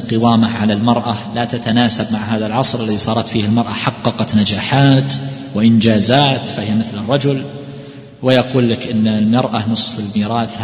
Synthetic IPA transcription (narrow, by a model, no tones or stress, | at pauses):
qɨwaːmaʕalalmɑɾˤʔalat̪at̪anaːsabmaʕɦaːðalʕɑsˤɾɪlːaðisˤɑːɾˤɑt̪fiːhalmɑɾˤʔaħɑqːɑqɑt̪nad͡ʒaːħaːt̪ | wɪʔɪnd͡ʒaːzaːt̪fahɪjamɪθlɪrˤːɑd͡ʒʊl | wɪjɑquːlːakʔɪnːlmɑɾˤʔanɨsˤfɪlmiːɾˤɑːθh